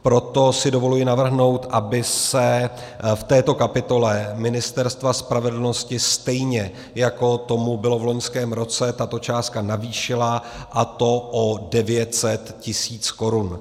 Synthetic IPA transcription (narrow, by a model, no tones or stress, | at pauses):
pɾo̞t̪o̞sɪdo̞vo̞lujɪnavr̩ɦno̞wt̪ʔabɪsɛ | ft̪ɛːt̪o̞kapɪt̪o̞lɛmɪnɪst̪ɛɾst̪vaspɾavɛdl̩no̞scɪst̪ɛjɲɛ | jako̞t̪o̞mubɪlovlo̞ɲskɛːmɾo̞t͡sɛt̪at̪o̞t͡ʃaːst̪̚kanaviːʃɪlaʔat̪o̞ʔodɛvjɛt̪sɛt̪cɪsiːt͡sko̞ɾun